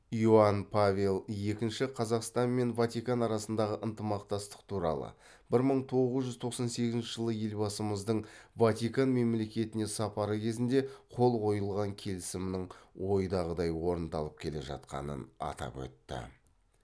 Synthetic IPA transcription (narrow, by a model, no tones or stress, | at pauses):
iuanpʰavʲelˠje̞kʲɪnʃɪqʰɑzɑqst̪ɑnme̞nvat̪ijkanɑɾɑsənd̪ɑʁəʔənt̪əmɑqt̪ɑst̪ə̥q̚t̪ʰuɾɑ̰lˠə̰ | bɪɾməɴt̪ʰo̞ʁəzʒʏzt̪ʰoqsɑnse̞ɡʲɪznʃɪʒəlˠəje̞lbɑsəməzd̪əɴvat̪ikanme̞mle̞kʲe̞t̪ɪne̞sɑpɑɾəkʲʰe̞zɪnd̪e̞qʰo̞lˠqʰo̞jəlˠʁɑŋkʲʰe̞lɪsɪmnɪɴwo̞jd̪ɑʁəd̪ɑjwo̞ɾənd̪ɑlˠəp̚kʲʰe̞le̞̰ʒɑ̰t̪qɑ̰nə̰nɑ̰t̪ɑ̰pwɵ̰t̪ːɪ̰